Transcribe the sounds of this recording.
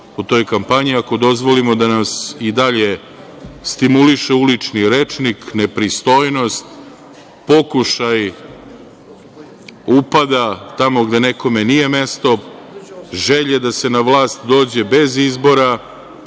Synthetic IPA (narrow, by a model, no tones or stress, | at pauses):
ut̪o̞jkampaɲiako̞d̪o̞zʋo̞limo̞d̪anasid̪aʎe̞ | st̪imuliʃeulit͡ʂniɾet͡ʂnikne̞pɾist̪o̞jno̞st̪ | po̞kuʃaj | upad̪at̪amo̞ɡd̪e̞ne̞ko̞me̞nije̞me̞st̪o̞ | ʒe̞ʎed̪ase̞naʋlˠaːst̪d̪o̞ːd͡ʑe̞be̞zizbo̞ɾa